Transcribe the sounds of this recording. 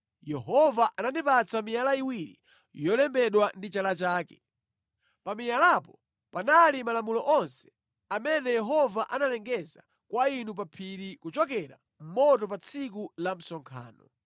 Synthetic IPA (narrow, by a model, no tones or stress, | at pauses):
jɛɦɔvaʔanandipat͡samijalaiwiɾḭ | jɔlɛmbɛɗwandit͡ʃalat͡ʃaːkɛ | pamijalapɔ | panalimalamulɔʔɔnsɛ̥ | amɛnɛjɛɦɔvaʔanalɛŋɡɛza̰ | kwainup̬apʰiɾikut͡ʃɔkɛɾa̰ | m̩mɔtɔp̬at͡sʰikulam̩sɔŋkʰa̰ːnɔ